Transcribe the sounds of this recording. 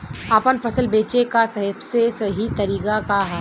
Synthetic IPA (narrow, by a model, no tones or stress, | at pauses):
apənpʰɐsəlbeːt͡ʃekasɐɦəbsesɐɦit̪ɐɾiːkakaɦa